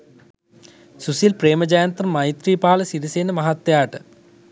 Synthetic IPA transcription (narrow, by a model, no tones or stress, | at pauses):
susilpreːmɐd͡ʑaːjɐnt̪rɐmːɐjt̪riːpaːlɐsiɾiseːnɐmɐɦɐt̪ːjaːʈɨ̥